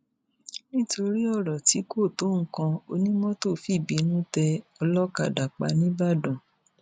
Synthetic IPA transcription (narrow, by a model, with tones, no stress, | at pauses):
nĩ˦to˧ɾi˦ɔ˦˨ɾɔ˨ti˨˦ko˦˨to˨˦ŋ̩˨˦kã˧o˧nĩ˦mɔ̃˦to˦˨fi˦˨bi˨˦nũ˦tɛ˧ɔ˧lɔ˦ka̰˦˨da˨k͡pa̰˧nĩ˦ba˦˨dɔ̃˨